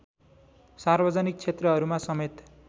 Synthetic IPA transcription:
sarbʌd͡zanik̚t͡sʰet̪rʌɦʌɾumasʌmet̪

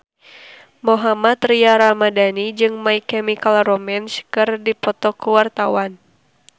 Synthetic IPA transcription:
mɔɦamat̪riaɾamadanid͡ʒɨŋmaikɛmikalrɔmɛnskɨrdipɔt̪ɔkuwart̪awan

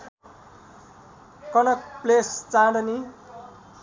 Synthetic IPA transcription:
kʌnʌk̚plest͡saɽʌni

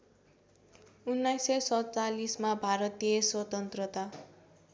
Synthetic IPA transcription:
unːajsʌsʌt͡salismabʱaɾʌt̪iʌswʌt̪ʌnt̪rʌt̪a

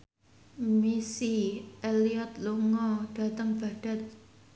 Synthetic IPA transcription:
misiʔeliɔt̪̚luŋɔɖ̥a̤t̪əŋb̥a̤ɖ̥a̤t̪̚

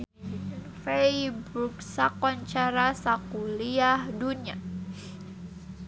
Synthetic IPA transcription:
fejbɾuksakɔɲt͡ʃaɾasakuliahdunia

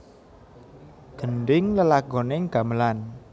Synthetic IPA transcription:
ɡ̥ə̤ɳɖɪŋləlaɡ̥ɔ̤neŋɡ̥a̤məlan

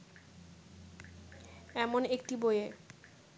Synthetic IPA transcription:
ɛmonek̚ʈiboje

